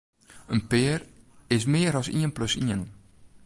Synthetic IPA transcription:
ənpɪːrɪs̬mɪːəɾɔsḭənpløsiən

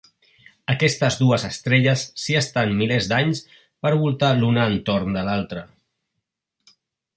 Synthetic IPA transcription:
əkɛst̪əzðuəzəst̪ɾɛʎəsːiəst̪anmilezd̪aɲs | pəɾβulˠt̪alunəːnt̪oɾnd̪əlalˠt̪ɾə

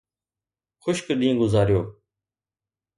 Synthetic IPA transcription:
xʊʃkɗĩːɡʊzaːɾijoː

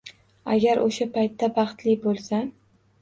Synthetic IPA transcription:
a̰ɡʲaɾʔoʃapʰajt̪ʰːabɑχt̪lɪbolˠsa

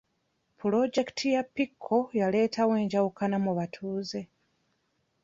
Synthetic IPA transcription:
pʰulo̞d͡ʒe̞ktʰijapːikʰːo̞jale̞ːtʰawe̞ːɲɟawukanamuβatʰuːze̞

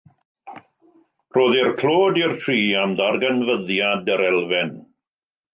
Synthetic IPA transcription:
roːðɪrkʰl̥oːdɪrtʰriːamdarɡənvəðjadəɾɛlˠvɛn

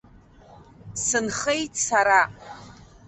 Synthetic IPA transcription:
sɨnχejtʼsaɾa

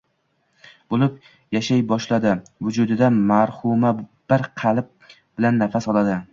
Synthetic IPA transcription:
bolɪp | jaʃajbɒʃlad̪ɪvʊd͡ʒʊd̪ɪd̪amaɾhʊmab̥ɪɾqʰɑlˠɪp̚ | b̥ɪlanːafasɒlˠad̪ɪ

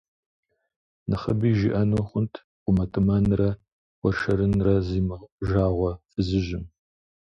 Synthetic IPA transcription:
nɨχɐbiːʒiʔɐnoːχʷʊntʰ | qʷʼʊmɐtʰɨmɐnrɐ | wɔrʃɐɾɨnrɐziːmɨʒaːʁʷɔfɨzɨʑɪm

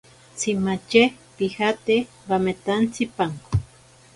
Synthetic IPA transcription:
t͡simat͡ʃe | pihat̪e | bamet̪ant͡sʰipaŋko

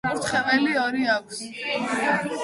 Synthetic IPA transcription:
t̪χɛpʼɛliɔɾiakʷʰs

